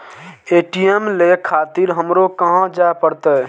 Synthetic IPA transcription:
eʈiemlekʰat̪iɾɦəmɾokəɦãd͡ʒaepəɾt̪ə

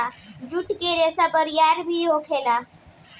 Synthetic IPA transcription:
ad͡ʒuʈkeɾesapəɾijaɾbʱiɦokʰela

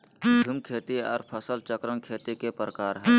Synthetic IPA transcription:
bʱumkʰeːt̪iɔːɾpʰəsəlt͡ʃəkɾəŋkʰeːt̪ikepɾəkaːɾɦɛː

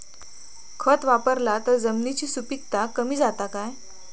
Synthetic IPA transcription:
kʰət̪ʋapəɾlat̪əɾd͡zəmnit͡ɕiːsupik̚t̪akəm̤iːd͡zat̪akaj

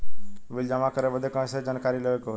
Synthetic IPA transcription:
ʋɪld͡ʒamãkəɾebəd̪ʱekə̃ːsed͡ʒankaɾiləɡeko

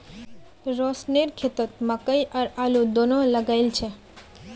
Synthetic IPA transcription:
ɾɔsneɾkʰet̪ot̪makajʔaɾalud̪onolaɡajlt͡ɕʰe

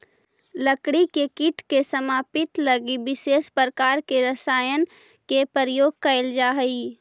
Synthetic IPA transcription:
ləkɽikekɪʈʰkesəmaːpɪt̪ləɡibɪseːspɾəkaːɾkeɾəsaːjən | kepəɾəjoːɡ̚kɐɪld͡ʒaːɦəi

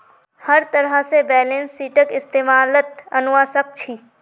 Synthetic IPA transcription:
həɾt̪əɾəsebɛːlẽːnsːiːʈəkɪst̪eːmaːlət̪ɐnʊʋaːsək̚t͡ʃʰiː

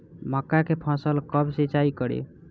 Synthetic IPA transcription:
məkːakepʰãsəlkəbsit͡ʃaikəɾḭ

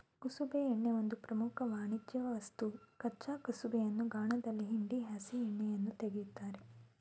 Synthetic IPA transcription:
kusubeːɳːeʋo̞nd̪upɾɐmukʰɐʋaːɳid͡ʒjɐʋɐʋɐst̪ukɐt͡ʃaːkɐsubejɐnːuɡaːɳɐd̪ɐlːiɦiɳɖiɦaːsiɛɳːejɐnːut̪eɡejud̪ːaːɾe

